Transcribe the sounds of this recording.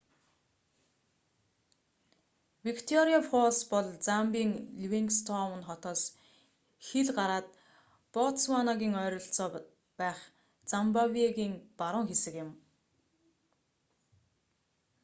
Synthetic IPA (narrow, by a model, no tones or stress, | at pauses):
wikt̪ʰɔɾiafɔspɔɮt͡sampiːŋɮwiŋkst̪ʰɔwə̆nχɔt̪ɔːs | xeɮɢaɾaːt̪̚ | pɔtswanɔɣʲiːŋœːɾɞ̆ɬt͡sɔː | pæːχ | t͡sampawiɣiːŋpaɾʊ̆ːŋxesɘ̆kjɪ̆m